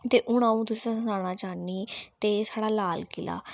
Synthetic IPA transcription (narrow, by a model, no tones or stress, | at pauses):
t̪eːʔʊɳ̃aũːt̪̬ʊsiãːsənaːɽ̃aːt͡ʃaːniːt̪eːsaːɽaːlaːlkɪla̰ː